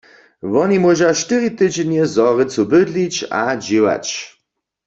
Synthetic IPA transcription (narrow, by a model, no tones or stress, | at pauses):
vɔnimɔʒaʃtɨʁit̪ɨd͡ʑnjɛzɔʁɪt͡subɘd̪lit͡ɕa̰d͡ʑiwa̰t͡ɕ